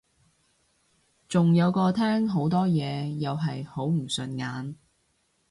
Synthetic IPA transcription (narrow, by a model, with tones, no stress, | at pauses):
t͡sʊ˨ŋjɐ˨˧wkɔː˧t̪ʰɛː˥ŋɦo˨˥wt̪ɔː˥jɛː˨˧jɐ˨wɦɐ˨jho˨˥wm̩˨˩sɵ˨˧nŋaː˨˥n